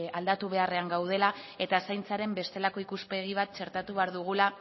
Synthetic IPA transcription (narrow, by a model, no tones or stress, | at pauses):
ald̪at̪uβ̞e̞are̞aŋɡawð̞e̞lae̞t̪asajnt͡saɾe̞mbe̞st̪e̞lako̞ikuspe̞ɣ̞iβ̞at̪̚t͡ʃe̞ɾt̪at̪uβe̞aɾðuɣ̞ula